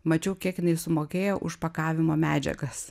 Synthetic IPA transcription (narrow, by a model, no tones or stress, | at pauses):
mɐt͡ʃʲɛʊkʲiɛkjɪnɐɪsʊmoːkʲeːjoːʔʊʃpɐkɑːʋʲɪmoːmʲæːd͡ʒʲɛ̰ɡɐs